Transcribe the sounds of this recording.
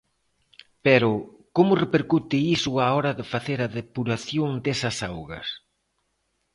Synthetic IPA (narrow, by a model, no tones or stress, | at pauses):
peɾʊ | komʊrepeɾkut̪ɪisʊaɔɾɐðɪfaθeɾɐðepuɾaθjoŋd̪ɛsɐsawɣɐ̰s